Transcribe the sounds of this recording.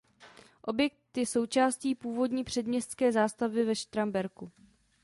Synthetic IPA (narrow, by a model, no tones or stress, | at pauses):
ʔo̞bjɛk̚t̪jɪso̞wt͡ʃaːsciːpuːvo̞dɲiːpr̥ɛd̪mɲɛst̪skɛːzaːst̪avɪvɛʃt̪ɾambɛɾku